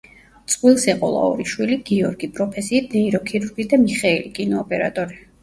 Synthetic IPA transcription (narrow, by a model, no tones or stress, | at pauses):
t̪sʼqʼwilˠsɛqʼɔ̰lˠa̰ɔ̰ɾiʃwiliɡ̥iɔɾɡipʼɾɔpʰɛsiːt̪̚ʰnɛiɾɔkʰiɾuɾɡid̪amiχɛilikʼinɔːpʼɛɾa̰t̪ʼɔɾi